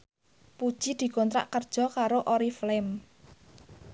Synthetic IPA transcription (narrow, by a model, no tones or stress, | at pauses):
pud̥ʒ̥i̤d̪̥i̤kont̪ɾa̰ʔkərd̥ʒ̥ɔ̤kaɾoʔoɾiflɛm